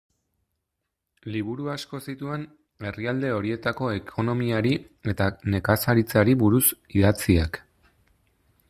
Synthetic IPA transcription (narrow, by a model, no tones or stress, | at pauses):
liβ̞uɾuasko̞sit̪ue̞n | e̞riald̪e̞o̞ɾie̞t̪ako̞e̞kʰo̞no̞miaɾi | e̞t̪ane̞kasaɾit͡saɾiβuɾus | iðat͡siak